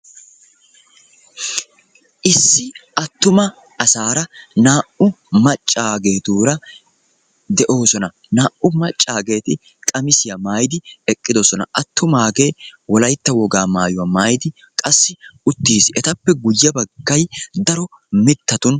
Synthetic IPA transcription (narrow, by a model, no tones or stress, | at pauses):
ʔɪsːɪɐt̪ːʊmɐː | saːɾɐnaːʔʊmɐt͡ʃʼːaːɡe̞ːd̪uːɾɐ | d̪ɛʔo̞ːsɔnɐ | naːʔʊmɐt͡ʃʼːaːɡe̞ːt̪ɪ | kʼɐmɪsɪjɐmaːjd̪ɪɛkʼːɪd̪osɔnɐ̰ʔɐt̪ːʊmaːɡeːwɔlɐjt̪ːɐwɔɡaːmaːjʊwɐmaːjd̪ɪ | kʼɐsːɪʊt̪ːiːsɪɛt̪ɐpːɛɡʊjːɐbɐɡːɐjd̪ɐɾɔ | mɪt̪ːɐt̪ʊn